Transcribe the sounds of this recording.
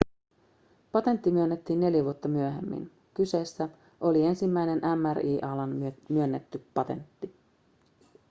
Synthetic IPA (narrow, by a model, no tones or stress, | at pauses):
pɑt̪e̞nt̪ːimyønːet̪ːiːnːe̞ljiʋuot̪ːɑmyøɦe̞̰mːḭn | kyse̞ːsːæ | ʔo̞lie̞nsimːæjne̞nʔæmæriːʔɑlɑnmyønːet̪ːypɑt̪e̞̰nt̪ːi